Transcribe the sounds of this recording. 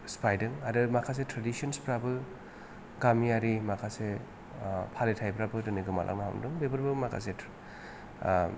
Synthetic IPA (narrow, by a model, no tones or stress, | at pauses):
spʰajdɯŋadɯmakʰas̬etɾadisɔnspʰɾabɯ | ɡamiaɾimakʰase | pʰaletʰajpɾabɯdɯniɡɯma̰lʔa̰ŋnaha̰wndɯŋbebɯɾbɯmakʰa̰s̬e